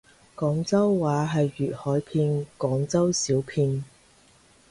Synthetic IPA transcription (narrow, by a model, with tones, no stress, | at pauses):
kɔː˨˥ŋt͡sɐ˥wːaː˨˥ɦɐ˨jːyː˨˩t̚hɔː˨˥jpʰiː˧nkɔː˨˥ŋt͡sɐ˥wsiː˨˥wpʰiː˧n